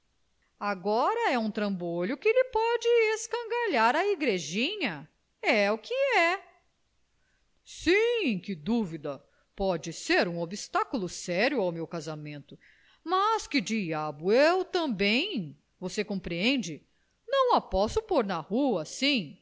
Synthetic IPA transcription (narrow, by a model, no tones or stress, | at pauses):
aɡɔɾɐɛũt̪ɾɐ̃boʎʊkɪlɪpɔd͡ʒɪeskɐ̃ɡaʎaɾɐiɡɾeʒĩɲɐ | ɛukʰɪɛ | sĩkɪd̪uvid̪ɐ | pɔd͡ʒɪseɾũobist̪akulʊsɛɾjʊawmewkazamẽnt̪ʊ | mɐskɪd͡ʒiabʊewt̪ɐ̃bẽj̃ | vosekõmpɾiẽnd͡ʒɪ | nɐ̃w̃ɐpɔsʊpoɾnɐhuɐsĩ